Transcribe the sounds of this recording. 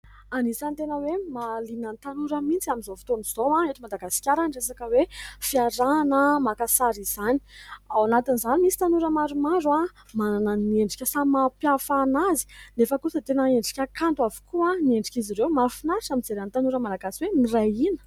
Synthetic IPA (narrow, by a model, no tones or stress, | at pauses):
anisanit̪enəwemalinənt̪anuɾəmint͡siamizofi̥t̪oniz̥owaeʈ͡ʂ̪imad̪aɡasi̥kʲaɾaɳɖ͡ʐesakəwefiaɾanəmakasaɾiz̥ani̥awanat̪inzanimisi̥t̪anuɾəmaɾumaɾua | mananənieɳɖ͡ʐi̥kʲəsamapjafanazi̥nefəkusət̪enəeɳɖ͡ʐi̥kʲəkant̪wavu̥kʰuanieɳɖ͡ʐi̥kʲiziɾewmafinaɾʃamind͡zeɾant̪anuɾəmanaɡasiwemirajinə̥